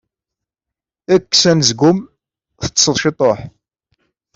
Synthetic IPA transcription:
ækːsænzɡʊm | θə̥t͡sːsəðˤʃit̪ˤoħ

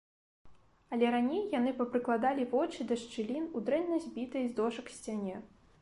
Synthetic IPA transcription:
ɐlʲɛɾanʲejːanɨpɐpɾɨklˠad̪alʲivɔt͡ʂɨd̪ɐʂt͡ʂɨlʲinud̪ɾɛnːɐzʲbʲit̪ɐjzd̪ɔʂɐksʲt͡sʲanʲɛ

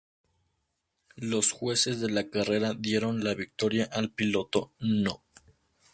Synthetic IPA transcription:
lo̞sxwe̞se̞zðe̞lakare̞ɾaðje̞ɾo̞nlaβik̚t̪o̞ɾjaʔalpilo̞t̪o̞no

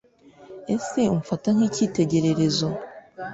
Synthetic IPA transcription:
e̞se̞omufataŋ̥hiːciːte̞ɟe̞ɾe̞ɾe̞zo̞

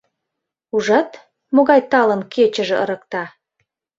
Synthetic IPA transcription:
uʒɑt̪ | moɣɑjt̪ɑlə̆nket͡ɕə̆ʒĕʔə̰̆ɾə̆k̚t̪ɑ

